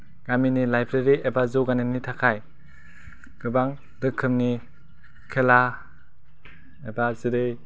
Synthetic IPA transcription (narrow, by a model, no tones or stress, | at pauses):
ɡ̥aminilajbɾeɾiebazoɡanɯnitʰakʰaj | ɡ̥ɯbaŋ | dɯkʰːɯmni | kʰela | ebazɯɾɯj